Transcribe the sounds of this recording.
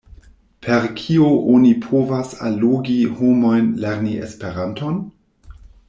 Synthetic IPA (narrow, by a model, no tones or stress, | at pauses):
pʰeɾkʰioʔonipʰovasa̰loɡihomo̞jnleɾniḛspeɾanton